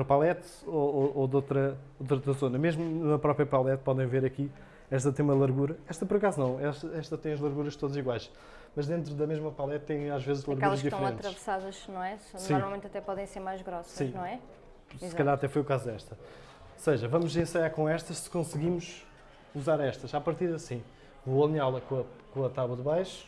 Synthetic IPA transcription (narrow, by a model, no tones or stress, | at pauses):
ɾɐpalˠɛt̪ | oooðot̪ɾɐ | ot̪ɾot̪ɾɐzonɐmeʒmunɐpɾɔpɾiɐpalˠɛt̪̚pɔðẽj̃veɾɐki | ɛʃ̬t̪ɐt̪ɐ̃j̃umɐlˠɐɾɣuɾɐɛʃt̪ɐpɔɾɐkazunɐ̃w̃ɛʃt̪ɐɛʃt̪ɐt̪ɐ̃j̃ɐʒlˠɐɾɣuɾɐʃt̪oðɐziɣwajʃ | mɐʒd̪ẽnt̪̬ɾuðɐmeʒmɐpalˠɛt̪̚t̪ːɐ̃j̃aʒvezʒlˠɐɾɣkɛulˠɐʒʃkd̪iffɾẽɐ̃nɐt̪ɾɐvsaðɐʃnɐ̃w̃ɛsnsiɔ̃malˠmẽt̪ɐt̪ɛpɔðẽj̃seɾmajʒɣɾɔssɐĩnɐ̃w̃ɛ | sɨkɐʎaɾɐt̪ɛfojukazud̪ɛʃt̪ɐ | ɔseʒɐvɐmuzẽsɐjaɾkõɛʃt̪ɐʃsɨ̥kõsɣimuʃ | uzaɾɛʃt̪ɐʃapɐɾt̪iɾðɐsĩ | voɐlˠiɲalˠɐkõɐkõɐt̪aβwɐðβajʃu̥